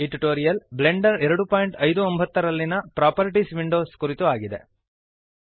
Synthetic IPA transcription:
iʈiʈoːɾijɐlble̞ɳɖɐɾɛɾɐɽupaːjɳʈɐjd̪uombɐt̪ːɐɾɐlːinɐpɾaːpɐɾiʈisʋiɳɖo̞ːskuɾit̪uaːɡid̪e̞̰

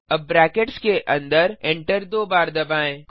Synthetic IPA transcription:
ɐbːɾɛːkeʈskeʔɐ̃nd̪əɾẽɳʈəɾd̪oːbaːɾd̪ɐbaːẽːk

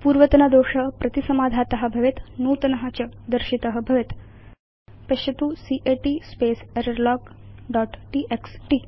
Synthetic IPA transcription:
puːɾʋət̪nəd̪oɕəpɾʔɐt̪isəmad̪ʱat̪ɐɦəbʱəʋet̪nuːt̪nəɦat͡ɕəd̪əɾɕit̪əɐɦəbʱəʋet̪ | pɐɕɐt̪usiʔeʈispeseɾəɾlɔkɖɔʈʈiʔeksʈi

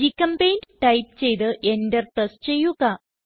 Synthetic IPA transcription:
ikɐmpejndʈɐjp̚t͡ɕe̞jt̪ɨʔendert̪est͡ɕe̞jːuɣɐ

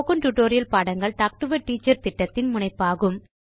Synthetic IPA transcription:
ɣɯnʈʊʈːoːɾɪjɐlpaːɽɐŋɡɐɭt̪ak̚ʈɯʋɐʈiːt͡ʃːɐɾt̪ɪʈːɐt̪ːɪnmʊɳɐɪpːaːɣɯm

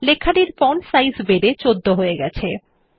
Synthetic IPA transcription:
lekʰːaʈiɾkɔnsajzbeɖet͡ɕod̪ʱːoɦoeɡɛt͡ɕʰe

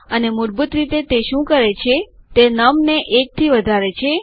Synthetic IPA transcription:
ənemʊɾbut̪ɾit̪et̪eʃũkəɾet͡ʃʰet̪enəmneʔek̚t̪ʰiʋəd̪ʱaɾet͡ʃʰe

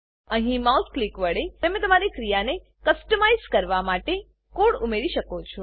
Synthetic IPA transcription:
ə̃ɦĩmault̪̚ʰklikʋəɽet̪əmẽt̪əmaɾikɾijane | kəsʈəmaizkəɾʋamaʈe | koɽumeɾiʃəkot͡ʃʰõ

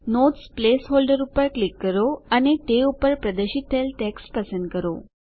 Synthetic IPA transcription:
not̪splesɦolɖəɾupəɾklikːəɾoanit̪eupəɾpɾəd̪əɕit̪ʰːelʈekspəsənd̪̚kəɾo̰

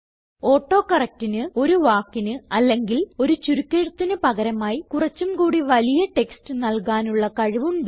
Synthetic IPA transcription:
o̞ːʈːo̞ːkɐrɐk̚tinɨo̞ɾuʋaːkːinɨɐlːe̞ŋɡilo̞ɾut͡ɕuɾukʲːeɻut̪ːinɨpɐɣɐɾɐmaːjikurɐt͡ɕːumkuːɽiʋɐlijɐʈe̞kstɨnɐlkaːnuɭːɐkɐɻuʋumɖ

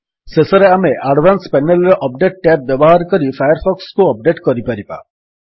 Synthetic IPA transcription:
sesɔɾeameʔaɖbʱanspɛnelɾɔʔɔp̚ɖeʈ̚ʈɛp̚bjɔbɔɦaɾɔkɔɾifʰajɔɾpʰɔkskuɔp̚ɖeʈkɔɾipaɾiba̰

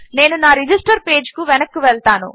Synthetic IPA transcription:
ne̞ːnunaːɾid͡ʒisʈɐɾpe̞ːd͡ʒkuʋɛnɐkːuʋɛɭt̪aːnṵ

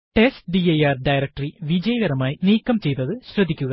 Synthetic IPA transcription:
ʈesʈ̚ɖijɐjaːrɖɐjɾɐk̚ʈɐriʋid͡ʑɐjɐɣɐɾɐmaːjiniːkːɐmt͡ɕe̞jt̪ɐðɨɕrɐd̪ʱːikʲːuɣɐ

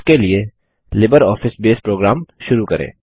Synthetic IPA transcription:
kelie | lɪbəɾɔːfɪsbeːspɾoːɡɾaːmʃʊɾukɐɾḛ̃ː

